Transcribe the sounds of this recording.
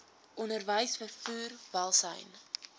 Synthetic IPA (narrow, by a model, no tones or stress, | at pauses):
ʔɔnərvəjsfərfuːrvɐlˠsə̰jn